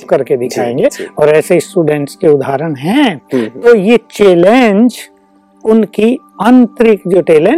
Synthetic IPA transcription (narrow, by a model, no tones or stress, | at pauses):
pkɐɾked̪ɪkʰaːẽːŋɡeɔːɾɛːseɪsʈuːɖɛ̃ːɳʈskeʊd̪ʱaːɾəɽ̃ɦɛ̃t̪ojet͡ʃeːlẽnd͡ʒ | ʊnkiɐnt̪əɾɪkd͡ʒoːʈeːlẽ